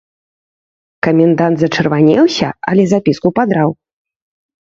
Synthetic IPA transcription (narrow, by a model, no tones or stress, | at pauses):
kɐmʲɛnd̪ant̪zɐt͡ʂɨrvanʲɛwsʲɐ̰ɐ̰lʲɛzapʲiskupad̪ɾaw